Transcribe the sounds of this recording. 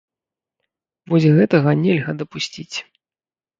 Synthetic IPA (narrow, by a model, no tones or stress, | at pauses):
vɔzʲɣɛt̪ɐɣɐnʲɛlʲɣɐd̪ɐpusʲt͡sʲit͡sʲ